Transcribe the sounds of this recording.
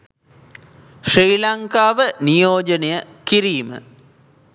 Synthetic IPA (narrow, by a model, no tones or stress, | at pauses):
ʂiːlɐŋkaːʋənijoːd͡ʒɐnejəkiɾiːmə̰